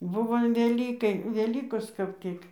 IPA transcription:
ˈbʊʋoː ɐn ʋʲɛˈlʲiːkɐɪ ʋʲɛˈlʲiːkoːs kɐp ˈtʲɪk

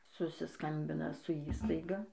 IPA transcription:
sʊsʲɪˈskɐmʲbʲɪnɐ sʊ ˈiːstɐɪɡɐ

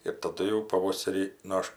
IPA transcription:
ɪr tɐˈdʊ jɛʊ pɐˈʋoːsʲɛrʲiː nʊ ˈɐʃ

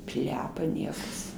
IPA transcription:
ˈpʲlʲæːpɐ ˈnʲiɛkɐs

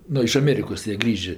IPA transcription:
ˈnʊ ɪʃ ɐˈmʲeːrʲɪkoːs jiɛ ˈɡrʲiːʒʲeː

